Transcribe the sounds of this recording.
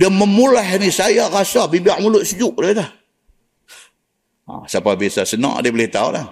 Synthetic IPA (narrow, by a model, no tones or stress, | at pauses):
dəməmulahnisajarasabibiaʔmulʊʔ̪̚səd͡ʒʊʔ̚dəlah | a̰sapabiasasənɔ̰ʔdibəlɪht̪aṵla̰h